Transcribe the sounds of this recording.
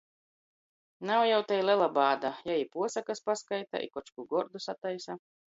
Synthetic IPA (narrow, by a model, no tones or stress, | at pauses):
nawjawt̪ɛjlʲɛlˠabaːd̪ajaipuɔsakaspaskajt̪a̰ʔḭkɔt͡ʃkuɡɔɾd̪usat̪ajsa